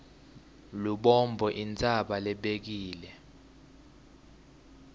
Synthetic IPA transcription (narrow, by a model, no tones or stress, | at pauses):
luɓɔmbʱɔʔint͡sʼaɓalɛɓek̬iːlɛ